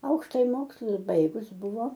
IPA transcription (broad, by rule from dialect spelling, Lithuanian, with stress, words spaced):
ˈɐʊkʃtɐjɪ ˈmoːkslˠʊs ˈbɐɪɡʊs ˈbʊʋoː